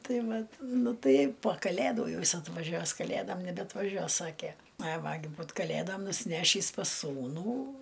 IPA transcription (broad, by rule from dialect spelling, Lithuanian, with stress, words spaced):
ˈtɐɪ ˈʋɐt ˈnʊ ˈtɐɪ poː kɐˈlʲæduː ˈjɛʊ ˈjɪs ɐtʋɐˈʒʲuɔs kɐˈlʲædoːm nʲɛbʲɛɐtʋɐˈʒʲuɔs ˈsɑːkʲeː ɐɪ ˈʋɐ ɡʲɪ ˈbuːt kɐˈlʲeːdoːm nʊsʲɪˈnʲæːʃʲiːs pɐs ˈsuːnuː